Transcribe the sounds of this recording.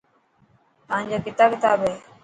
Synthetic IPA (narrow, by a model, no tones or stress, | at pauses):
t̪əãːɲd͡ʑaːkɪt̪aːkɪt̪aːbɦeː